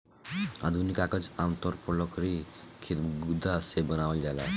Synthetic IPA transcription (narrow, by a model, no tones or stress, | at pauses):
a̰d̪ʱunikakəd͡zamt̪ɔɾpɔlɔkɾikʰit̪ɡud̪ʱasebənawəld͡ʒala